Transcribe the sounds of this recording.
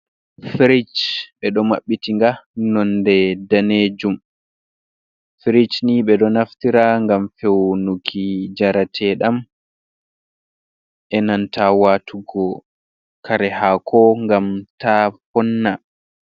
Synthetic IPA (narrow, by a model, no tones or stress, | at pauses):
fɾit͡ʃɓɛɗɔmaɓːitiŋɡanɔndɛdaned͡ʒum | fiɾit͡ʃniɓɛɗɔnaftiɾaŋɡamfewnukʰid͡ʒaɾatʰɛɗam | ʔɛnantʰawaːtʰuɡɔ | kʰaɾɛhakʰɔŋɡamtapɔnːa